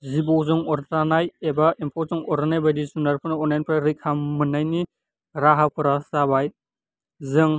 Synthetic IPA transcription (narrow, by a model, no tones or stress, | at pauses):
zibɔwzɯŋɔɾt̪ɾanajebaempʰɔzɯŋɔɾɯnajbadisunaɾpʰɯnaɔnlajnpʰɾaɾikʰamɯnajni | ɾaɦapʰɯɾasabaj | zɯŋ